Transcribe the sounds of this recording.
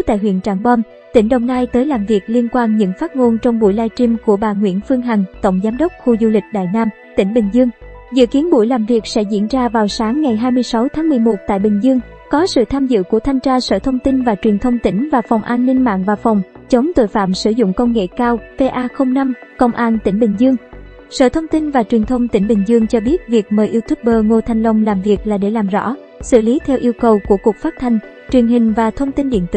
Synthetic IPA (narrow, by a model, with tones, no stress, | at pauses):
t̪a̰ː˧˨jhɦwḭ˧˨ənt͡ɕaː˧˩ŋɓɔ˧n | t̪ï˧˩ŋ̟ɗə˨˧˩wŋ͡mnaː˧jt̪əː˨˦jlaː˨˩mvi˨˩ək̚li˧ənkwaː˧nɲɨ̰˧˥ŋfaː˦˥t̚ŋo˧nt͡ɕɔ˧wŋ͡mɓṵ˧˩jlaː˧jt͡ɕi˧mku˧˩əɓaː˨˩ŋwḭ˧˥ənfɨ˧əŋɦa˨˩jŋ̟t̪ə̰˧˨wŋ͡mzaː˨˦mɗə˦˥k͡p̚xu˧zu˧lï˨˩k̟̚ɗa̰ː˧˨jnaː˧m | t̪ï˧˩ŋ̟ɓï˨˩ŋ̟zɨ˧əŋ | zɨ̰˧˨ki˨˦ənɓṵ˧˩jlaː˨˩mvi˨˩ək̚sɛ̰˧˥zḭ˧˥ənzaː˧vaː˨˩wsaː˨˦ŋːa˨˩jɦaː˧jmɨ˧əjsa˨˦wt̪ʰaː˨˦ŋmɨ˨˩əjmo˨˩t̚t̪a̰ː˧˨jɓï˨˩ŋ̟zɨ˧əŋ | kɔ˨˦sɨ̰˧˨t̪ʰaː˧mzɨ̰˧˨ku˧˩ət̪ʰa˧jŋt͡ɕaː˧sə̰ː˧˩t̪ʰə˧wŋ͡mt̪i˧nvaː˨˩t͡ɕwi˨˩nt̪ʰə˧wŋ͡mt̪ï˧˩ŋ̟vaː˨˩fɔ˨˩wŋ͡mʔaː˧nːï˧ŋ̟ma̰ː˧˨ŋvaː˨˩fɔ˨˩wŋ͡m | t͡ɕə˨˦wŋ͡mt̪o̰˧˨jfa̰ː˧˨msɨ˧˩zʊ̰˧˨ŋ͡mkə˧wŋ͡mŋḛ˧˨kaː˧wve˧ʔaː˧xə˧wŋ͡mna˧mkə̰˧wŋ͡mʔaː˧nt̪ï˧˩ŋ̟ɓï˨˩ŋ̟zɨ˧əŋ | sə̰ː˧˨t̪ʰə˧wŋ͡mt̪i˧nvaː˨˩t͡ɕwi˨˩ənt̪ʰə˧wŋ͡mt̪ï˧˩ŋ̟ɓŋ̟zɨ˧əŋt͡ɕɔ˧ɓi˦˥ət̚vi˨˩ək̚məː˨˩jʔi˧wt̪ʰu˦˥p̚ɓəː˧ŋo˧t̪ʰa˨˩jŋ̟lə˧wŋ͡mlaː˨˩mvi˨˩ək̚laː˨˩ɗe˧˩laː˨˩mzɔ̰˧˥ | sɨ̰˧˨li˨˦t̪ʰɛ˧wʔi˧əwkə˨˩wku˧˩əku˨˩ək̚faː˦˥p̚t̪ʰa˧jŋ̟ | t͡ɕwi˨˩ənɦï˨˩ŋ̟vaː˨˩t̪ʰə˧wŋ͡mt̪i˧nɗḭ˧˨ənt̪ɨ̰˧˨